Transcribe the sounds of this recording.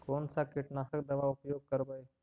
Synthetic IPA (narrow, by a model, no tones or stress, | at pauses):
kont͡sakeʈnasəkd̪əʋaupjoɡ̚kəɾbəj